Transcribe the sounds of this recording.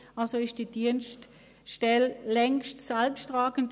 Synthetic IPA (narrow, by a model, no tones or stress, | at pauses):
alsoɪʃtd̥iːd̥iənst | ʃtɛllɛŋstsɛlpstʁaːɡən̩t